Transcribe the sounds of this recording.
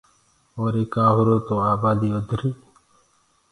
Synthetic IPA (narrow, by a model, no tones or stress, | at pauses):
oːɾekaːɦuɾoːt̪oaːbaːd̪iːʋəd̪ʱɾiː